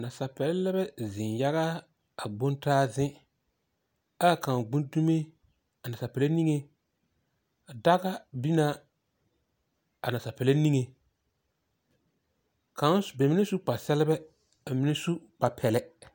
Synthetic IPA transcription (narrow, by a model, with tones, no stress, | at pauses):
na˨sa˨pɛ˨lɛ˦lɛ˦bɛ˦zɪ̃˨nja˦ɣa˦ | a˨ɡ͡bo˦ntaː˦zɪ˦ | a˦˨ka˨ɡ͡bũ˦n˦du˦me˦ | a˨na˨a˨pɛ˨le˦ni˦ŋe˨ | da˦ɣa˦bi˦na˦ | a̰˨na˨sa˨pɛ˨le˦ni˦ŋe˨ | kʰa˨˦n˦sbɛ˨mɪ˦ne˦su˦k͡pa˨sɛ˦lɪ˦bɛ˦ | a˨mɪ˦nɪ˦su˦k͡pa˨pʰɛ˨lɛ˦